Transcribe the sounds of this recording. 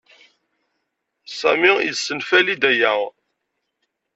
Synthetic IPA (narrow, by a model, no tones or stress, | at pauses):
sæ̰mijsːənfælid̪æjæ